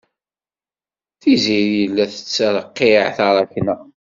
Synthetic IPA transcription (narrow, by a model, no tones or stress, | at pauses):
θiziɾjəlːæθə̥t͡sːələqːeʕθɑɾˤɑkənə